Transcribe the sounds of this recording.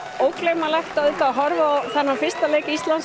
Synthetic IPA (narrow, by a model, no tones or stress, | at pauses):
owklejmalɛxt̪aðʏt̪aɦɔɾvaɔθɛnːafɪrst̪aleːjkɪist̪lan